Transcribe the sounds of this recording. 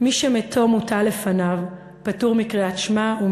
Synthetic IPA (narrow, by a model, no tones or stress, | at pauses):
miʃemetʰo̞mutale̞fanav | patuʁmikʁiatʃmau